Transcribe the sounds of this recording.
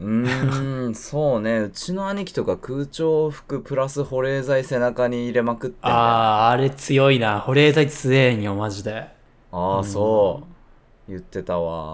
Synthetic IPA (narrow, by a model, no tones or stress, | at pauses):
ɯ̟̃ | so̞ːne̞ɯ̟t͡ɕino̞aɲ̟ikʲi̥t̪o̞kakɯ̟ːt͡ɕoːɸɯ̟̥kɯ̟pɯ̟ɾasɨho̞ɾe̞ːzaise̞nakaɲ̟iːɾe̞makɯ̟t̪ːeaːɾe̞t͡sɨjo̞inaho̞ɾe̞ːzait͡sɨeɲ̟iomaʑid̪e̞ | aːso̞ː | jɯ̟t̪ːe̞t̪aβa̰